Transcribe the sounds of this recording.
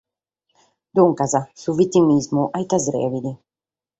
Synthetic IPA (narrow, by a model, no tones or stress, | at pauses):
d̪uŋkazasuvit̪imizmuʔajt̪azɾɛ̰vid̪i